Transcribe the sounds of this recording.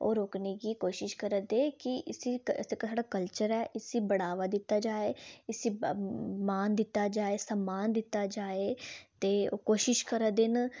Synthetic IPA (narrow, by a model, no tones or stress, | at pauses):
o̰ːɾoːkneːkiːkoːʃɪʃkəɾəd̪eːkɪʔɪsiekːsaːɖaːkəlt͡ʃəɾɛːʔɪsiːbəɽaːʋaːd̪ɪt̪ːaːd͡ʒaːeːɪsiːmaːnd̪ɪt̪ːaːd͡ʒaːeːsəmːaːnd̪ɪt̪ːaːd͡ʒaːeːt̪eːoːkoːʃɪʃkəɾəd̪ɪn